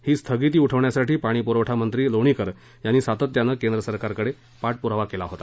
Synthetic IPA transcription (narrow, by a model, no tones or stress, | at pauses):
hiːst̪ʰəɡit̪̬iːuʈʰəʋɳjasaʈiːpaɽ̃iːpuɾəʋʈʰamənt̪ɾiːloɽ̃ikəɾ | janːiːsat̪ət̪ːjanːəkend̪ɾəsəɾkaɾkəɽe | paʈ̚puɾaʋakelaɦot̪ḁ